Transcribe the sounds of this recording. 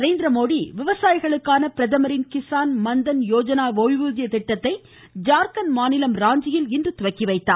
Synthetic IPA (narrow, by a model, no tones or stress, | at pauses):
ɾeːnd̪ɾɐmoːɽiʋɪʋɐsaːjɪɣɐɭɯkːaːnɐpɪɾɐðɐmɐɾɪnkɪsaːnmɐnd̪ɐnjoːd͡ʒɐnaːʋoʋɪʋuːðɪjɐt̪ɪʈːɐt̪ːɐɪ | d͡ʒaːɾkɐnmaːnɪlɐmɾaːɲd͡ʒɪjɪlɪndrɯt̪ʊʋɐkːɪʋɐɪt̪ːa̰ː